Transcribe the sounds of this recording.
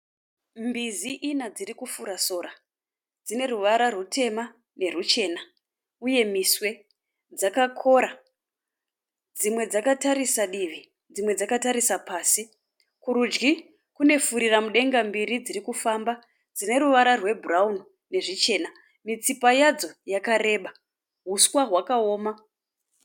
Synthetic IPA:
mbiziʔinad͡zirikufuɾaso̞ːɾa | d͡zine̞ɾuʋaɾarutʰe̞ma | ne̞rut͡ʃe̞ːna | uje̞miswe̞ | d͡zakakʰo̞ɾa | d͡zimwe̞d͡zakataɾisaɗiʋi | d͡zimwe̞d͡zakataɾisapaːsi | kuɾud͡ʒɡi | kune̞fuɾiramuɗe̞ŋɡambiɾid͡zirikufamba | d͡zine̞ɾuʋaɾarwe̞buraun | ne̞ʐit͡ʃe̞ːna | mit͡sipajad͡zo̞jakaɾe̞ːɓa | ɦuswaɦwakao̞ːma

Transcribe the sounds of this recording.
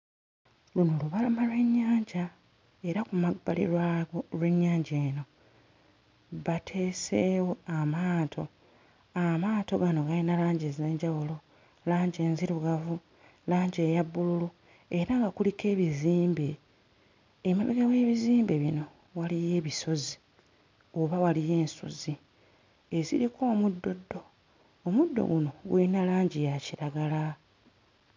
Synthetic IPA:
lunoluβalamalwe̞ɲːaːɲɟa | e̞ɾakumaba̰lḭɾwaɡoɾwe̞ɲːaːɲɟe̞ːno̞ | βatʰe̞ːsewoamaːtʰo̞ | amaːto̞ɡano̞ɡalinalaːɲɟezeːɲɟawulo̞ | laːɲɟe̞ːnziɾuɡavu | laːɲɟe̞ːjabːululu | e̞ɾaŋɡakulike̞ːβiziːmbe̞ | maβiɡawe̞ːβiziːmbe̞βino̞ | walije̞ːβisozi | oβawalije̞ːnsṵzi | ezḭɾikʰo̞ːmudːo̞dːo̞ː | mudːo̞̰ɡuno̞ɡṵlinalaːɲɟijaciɾaɡala

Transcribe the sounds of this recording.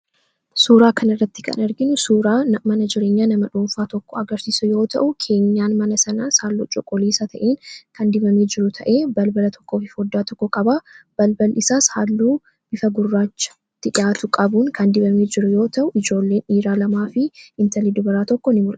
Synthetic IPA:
suːɾaːkʰɐnɐrːɐt̪ːɪ̥kʰɐ̰nɐɾɡɪnʊsuːɾaːmɐnɐd͡ʒɪɾe̞ːɲːaːnɐmɐᶑuːɱfaːt̪ɔkːɔɐɡɐɾsiːsʊjo̞ːt̪ɐ̰ʔʊkʰe̞ːɲːaːnmɐnɐsɐnaːsaːlːṵːt͡ʃʼɔkʼɔleːsɐt̪ʰɐʔeːnkʰɐnd̪ɪbɐmeːd͡ʒɪɾʊt̪ʰɐʔe̞ːbɐlbɐlɐt̪ʰɔ̥kːo̞ːfɪfɔd̪ːaːt̪ɔkːɔkʼɐbab̥ɐlbɐlɪsaːshaːlːuː | b̥ɪfɐɡʊrːaːt͡ʃːɐ̥ | t̪ːɪᶑɪjaːt̪ʊkʼɐbuːŋkʰɐnd̪ɪbɐmeːd͡ʒɪɾʊjo̞ːt̪ɐʔʊʔɪd͡ʒo̞ːlːe̞ːniːɾaːlɐmaːfɪɪnt̪ɐliːd̪ʊbɐɾaːt̪ɔkːɔnɪmʊl

